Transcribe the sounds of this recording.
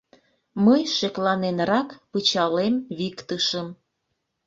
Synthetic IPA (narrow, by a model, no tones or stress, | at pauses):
məjʃeklɑnenrɑkpɯt͡ɕɑlemβikt̪əʃəm